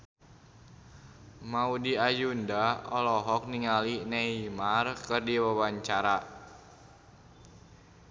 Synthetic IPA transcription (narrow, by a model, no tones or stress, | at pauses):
maudiajundaɔlɔɦɔk̚niŋalineimarkɨrdiwawaɲt͡ʃaɾa